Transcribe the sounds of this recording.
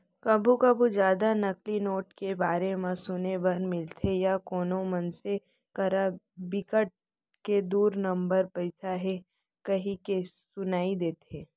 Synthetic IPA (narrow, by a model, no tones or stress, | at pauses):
kɐbʱukɐbʱud͡ʒjaːd̪anɐklinoːʈkebaːɾemãsʊnebɐnmɪlt̪ʰejakoːnomɐnse | kɐɾa | bɪkəʈ̚ | ked̪uːɾnɐ̃mbəɾpɐɪsaɦɛ | kɐɦĩkesʊnaːid̪eːt̪eː